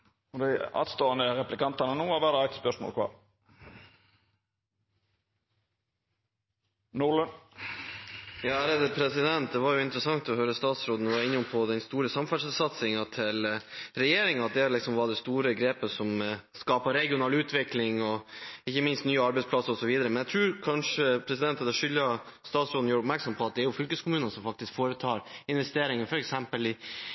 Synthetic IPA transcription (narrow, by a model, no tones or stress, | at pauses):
ɔd̪ɛɪɑ̰ːt̪st̪oːənəɾɛplɪkɑnt̪ɑnənuːɑʋæːɾəæk̚t̪spœʂmo̰lkʰʋɑ̰ːɾ | nʊlən | jɑːæːɾəd̪əpʰɾɛsɪd̪ɛnt̪̚d̪ɛʋɑɾjʊɪnt̪ɾəsɑŋt̪ɔɦœʏɾəst̪ɑːt̪sɾoːd̪n̩ʋɑɾɪnːʊmpʰɔd̪ɛnst̪uːɾəsɑmfɑʂsɑt̪sɪŋɑt̪ʰɪlɾɛjeːɾɪŋɑt̪̚d̪ɛælɪksɔmʋɑd̪ɛst̪uːɾəɡɾeːpəsɔmskɑːpəɾɛɡɪʊnɑːlʉːt̪ʰʋɪklɪŋɔɪçːəmɪnst̪nyːəɑɾbɛɪspʰlɑsːəɾɔsɔʋiːd̪əɾəmɛnjæt̪ʰɾʉːɾkʰɑnʂəpʰɾɛsɪd̪ɛnt̪ʰəd̪ɔʂʏlːɑ | st̪ɑːt̪sɾoːd̪n̩juːɾəʊpmæɾksɔmpʰɔɑt̪̚d̪ɛæɾjʊfʏlkəskʊmʉːnɑnsɔmfɑk̚t̪ɪskfoːɾət̪ʰɑːɾɪnʋɛst̪eːɾɪŋənfɔɾɛksɛmpəlɪ